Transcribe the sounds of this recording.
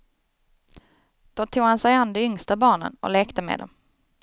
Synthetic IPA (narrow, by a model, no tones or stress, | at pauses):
d̪̥ot̪ʰuːɡhansɛjand̪ɛʏŋst̪abɑːɳə̰nɔ̰leːkt̪əmḛːd̪ɔ̰m